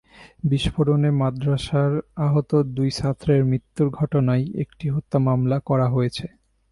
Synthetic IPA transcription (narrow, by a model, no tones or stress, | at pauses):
biʃfoɾonemad̪ɾaʃaɾaɦot̪od̪ujsat̪ʰːɾeɾmɾit̪ːuɾɡʱɔʈonajḛk̚ʈiɦot̪ːamamlakɔɾaɦojet͡ɕʰe